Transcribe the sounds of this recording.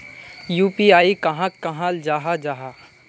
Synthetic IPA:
juːpiaːikɐɦãkːɐɦãld͡ʒaːɦad͡ʒaːɦa

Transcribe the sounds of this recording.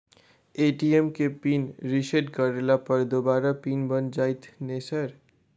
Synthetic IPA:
eːʈiemkepiːnɾiseɖkəɾelapəɾd̪obaːɾapiːnbənd͡ʒaːjt̪ʰnesəɾ

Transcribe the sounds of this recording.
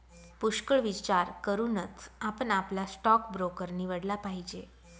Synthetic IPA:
puʃkəɭʋit͡ɕaɾkəɾunət͡sʰapəɳaplasʈɔkbɾokəɾniːʋəɽlapaɦid͡ʑe

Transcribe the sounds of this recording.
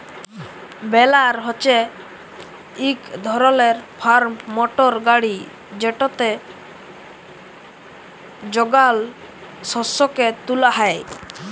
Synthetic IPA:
bɛlaɾɦɔt͡ʃe | ikd̪ʱɔɾɔleɾpʰaɾmɔʈɔɾɡaɽi | d͡ʒeʈɔt̪e | d͡ʒɔɡal | sɔsɔket̪ulaɦae

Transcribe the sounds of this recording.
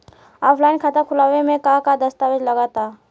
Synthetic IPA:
ɔːpʰlaːɪnkʰat̪akʰʊlaːʋemẽkakad̪ɐst̪aːʋed͡ʒlɐɡaːt̪aː

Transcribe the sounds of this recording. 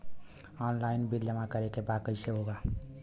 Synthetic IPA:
ɔnlainbiljamakʌɾekebakəjseɦoɡa

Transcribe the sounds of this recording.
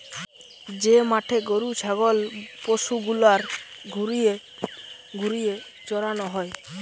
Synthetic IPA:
d͡ʑemaʈʰeɡoɾut͡ʃʰaɡɔlpoʃuɡulaɾɡʱuɾie | ɡʱuɾie | d͡ʒɔɾanɔɦɔe

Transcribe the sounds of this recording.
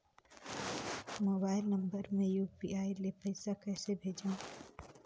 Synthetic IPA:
moːbaːɪlnə̃mbəɾmẽjuːpḭaːilepəɪsakɛːsebʱeːd͡ʒã

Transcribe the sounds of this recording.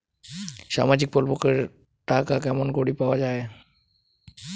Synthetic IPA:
ʃa̰mad͡ʑik̚polpokeɾ | ʈakakɛmonkoɽipaoad͡ʑae

